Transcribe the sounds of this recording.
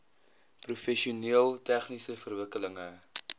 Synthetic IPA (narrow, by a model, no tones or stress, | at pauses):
prufɛʃiuniəlˠtæχnisəfərvəkələŋə